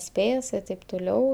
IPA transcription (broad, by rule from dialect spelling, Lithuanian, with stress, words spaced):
ˈsʲpʲeːs ɪ tɐɪp tʊˈlʲɛʊ